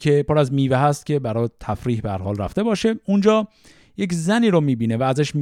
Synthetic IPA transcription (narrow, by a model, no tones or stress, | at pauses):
cʰe̞poɾæzmiːveɦæst̪̚cʲʰe̞bæɾɒːt̪ʰæfɾiːhbehæ̰ɾhɒːlræ̰ft̪e̞bɒːʃe̞und͡ʒɒː | je̞czæniːɾomiːbiːnevæːzæʃm